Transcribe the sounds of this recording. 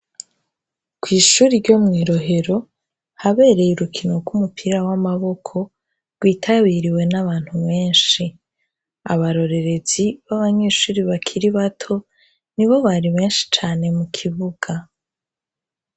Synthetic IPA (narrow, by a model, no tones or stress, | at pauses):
kwiːʃuːɾiɾɟomŋiːɾo̞ɦe̞ɾo̞ | haβe̞ːɾe̞juɾukʰino̞ɡumupʰiɾawamaβo̞kʰo̞ | ɾɡwiːtʰaβiːɾiwe̞naβaːn̥huβe̞ːnʃi | a̰βaɾo̞ɾe̞ɾe̞ziβaβaɲe̞ːʃuːɾiβakʰiɾiβatʰo̞ | niβo̞βaɾiβe̞ːnʃi̥t͡ʃaːne̞mukʰiβuɡ̥a